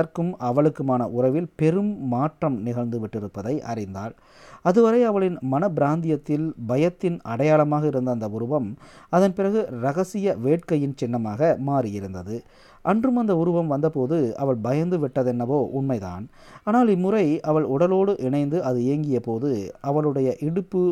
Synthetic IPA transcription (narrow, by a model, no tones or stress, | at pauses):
ɐɾkɯmɐʋɐɭɯkːɯmaːnɐʔʊrɐʋɪlpɛɾɯmːaːʈrɐmnɪɣɐɭnd̪ɯʋɪʈːɪɾɯpːɐðɐɪʔɐ̰rɪnd̪aːɭ | ɐðɯʋɐɾɐɪɐʋɐɭɪnmɐnɐbɪɾaːnd̪ɪjɐt̪ːɪlbɐjɐt̪ːɪnɐɽɐjaːɭɐmaːɣɐɪɾɯnd̪ɐnd̪ɐʊɾɯʋɐmɐðɐnpɪrɐɣɯɾɐɣɐsɪjɐʋeːʈ̚kɐjɪnt͡ʃɪnːɐmaːɣɐmaːrɪjɪɾɯnd̪ɐðɯ | ʔɐndrɯmɐnd̪ɐʊɾɯʋɐmʋɐnd̪ɐpoːðɯɐ̰ʋɐɭbɐjɐnd̪ɯʋɪʈːɐðɛnːɐʋoːʔʊnmɐɪða̰ːn | aːnaːlɪmːɯrɐɪɐʋɐɭʊɽɐloːɽɯʔɪɳɐɪnd̪ɯʔɐðɯeːŋɡɪjɐpoːðɯɐʋɐɭɯɽɐjɐʔɪɽɯpːɯ